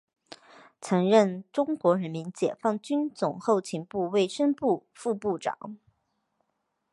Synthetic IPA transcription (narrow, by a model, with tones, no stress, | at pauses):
t͡sʰɤ˧˥ŋɻə˥˩nʈ͡ʂʊ˥ŋkwɔ˧˥ɻə˧˥nmi˧˥nt͡ɕjɛ˨˩fɑ˥˩ŋt͡ɕy˥nt͡sʊ˨˩ŋxo˥˩ʊt͡ɕʰi˧˥ŋpu˥˧we˥˩ɪʂə˥ŋpu˥˧fu˥˧pu˥˩ʈ͡ʂɑ̰˨˩˦ŋ